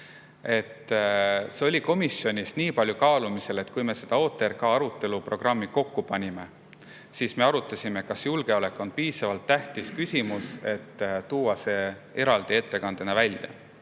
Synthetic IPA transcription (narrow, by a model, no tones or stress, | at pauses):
e̞t̪ː | seo̞lʲiko̞misjo̞nʲisniːpɑlʲjukɑːlumise̞le̞t̪ːˑkujme̞se̞d̪̥ɑo̞ːt̪ːˑe̞rkɑɑɾut̪ːˑe̞luprʔo̞ɡ̥rɑmːiko̞kːupɑnʲime̞ | siːsme̞ɑɾut̪ˑːɑsʲimekɑsjulɡ̥e̞o̞le̞kːˑonpiːsɑvɑlt̪ːæht̪iskysʲimuse̞t̪ːt̪uːɑse̞ː | e̞ɾɑld̪̥ie̞t̪ːe̞kɑnd̪̥enɑvælʲjɑ̰